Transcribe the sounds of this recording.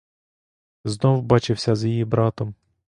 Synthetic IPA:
znɔwbɑt͡ʃɪwsʲɐzjijibɾɑt̪ɔm

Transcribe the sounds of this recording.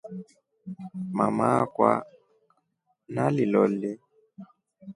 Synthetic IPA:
mamakwa | nalilɔli

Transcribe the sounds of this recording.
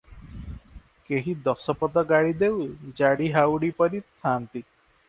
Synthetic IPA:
keɦid̪ɔsɔpɔd̪ɔɡaɽid̪ewd͡ʒaɽiɦawɽipɔɾit̪ʰant̪i

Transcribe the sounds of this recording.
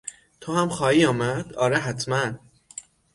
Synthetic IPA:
t̪ʰohæmxɒːhiːɒːmæd̪̥ɒːɾeɦæt̪ʰmæn

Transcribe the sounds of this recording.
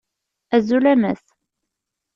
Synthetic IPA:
æzulæmæ̰θ

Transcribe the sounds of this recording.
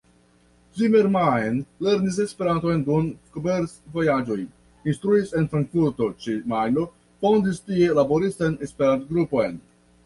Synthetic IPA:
zimeɾmaenle̞ɾnis̬e̞spe̞ɾanto̞jndunkobeɾsvojad͡ʒo̞j | inst̪ɾuise̞nfɾaŋkfuɾt̪o̞t͡ʃimajno | fo̞ndistie̞labo̞ɾistajnespeɾant̪ɡɾupo̞jn

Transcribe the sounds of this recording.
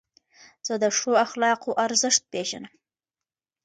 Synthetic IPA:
z̥əd̪əʂoaxlɑqoʔaɾzəʂt̪̚peʒa̰nəm

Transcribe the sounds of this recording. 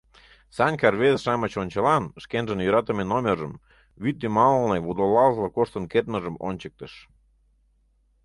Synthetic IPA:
sɑnʲkɑrβezʃɑmət͡ɕonʲt͡ɕəlɑnʃkenʒə̆njøɾɑt̪ə̆mʲenomʲerʒəm | βyt̪̚ːimɑlnɤjβud̪olɑlzlˠəkoʃt̪ə̆nket̪mə̆ʒə̆mo̰nʲt͡ɕək̚t̪ə̆ʃ

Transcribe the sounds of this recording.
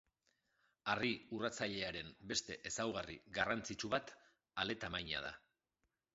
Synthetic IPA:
ariurat͡saʎe̞aɾe̞mbe̞st̪e̞ʔesawɣarḭɣarant͡sit͡ʃuβat̪ | ale̞t̪amajɲa̰ða̰

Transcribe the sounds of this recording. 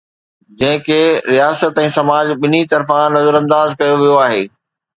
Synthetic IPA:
d͡ʑɐ̃ɦɪ̃keːɾijaːsət̪ɛ̃ːsɐmaːd͡ʑɓɪnit̪ɐɾfãnɐzəɾɐ̃nd̪aːzkɐjoʋijoaːɦeː

